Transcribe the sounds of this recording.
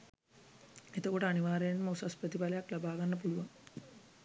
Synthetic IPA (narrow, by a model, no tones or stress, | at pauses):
et̪əkoʈəaniʋaːɾejənməusasprət̪ipalejaklabaːɡanːəpuluʋaŋ